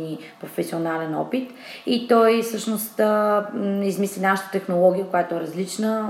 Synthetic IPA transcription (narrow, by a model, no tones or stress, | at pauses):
nipɾofɛsʲionalɛnɔpit̪ | it̪ɔjfsɤʃnost̪ | izmislʲinaʃə̥t̪ə̥t̪ɛxnolˠɔɡʲiəkojat̪oɛɾɐzlit͡ʃnə